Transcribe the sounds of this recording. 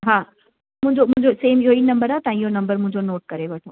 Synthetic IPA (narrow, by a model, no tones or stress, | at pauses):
ɦãː | mʊ̃d͡ʒomʊ̃d͡ʒoseːmjoinɐ̃mbəɾat̪aĩjonɐ̃mbəɾmʊ̃d͡ʒʱonoːʈ̚kɐɾebɐʈʰo